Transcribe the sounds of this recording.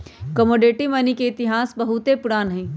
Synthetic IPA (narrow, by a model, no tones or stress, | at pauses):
kɐmoːɖeːʈimɐnikeɪt̪ɪɦaːsbɐɦʊt̪epʊɽaːnɦɛ̃ː